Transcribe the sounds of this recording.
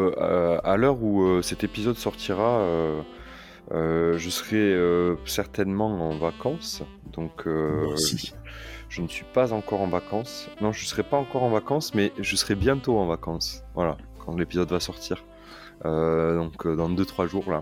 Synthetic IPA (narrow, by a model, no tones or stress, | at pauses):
alœʁuøsɛt̪epizɔd̪sɔʁt̪ʰiʁaø | øʒəsəʁɛøsɛʁt̪ɛnmɑ̃ɑ̃vakɑ̃s | d̪ɔ̃kʰø | ʒ̥ənəsɥipazɑ̃kɔʁɑ̃vakɑ̃snɔ̃ʒəsəʁɛpaɑ̃kɔʁɑ̃vakɑ̃smɛʒəsəʁɛbjɛ̃t̪oɑ̃vakɑ̃svwala | kʰɑ̃lepizɔd̪vasɔʁt̪ʰiːʁ | ød̪ɔ̃kød̪ɑ̃d̪øt̪χwaʒuʁla